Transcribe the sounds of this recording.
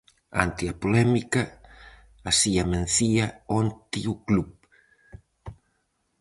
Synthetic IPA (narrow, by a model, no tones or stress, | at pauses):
a̰nt̪iapolɛmikaː | siamẽnθiaont̪iuklup